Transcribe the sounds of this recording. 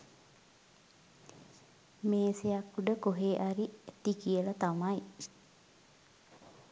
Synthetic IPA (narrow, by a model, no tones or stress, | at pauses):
meːsejakːuɖəkoɦeːʔaɾiet̪ikijəlɐt̪amaj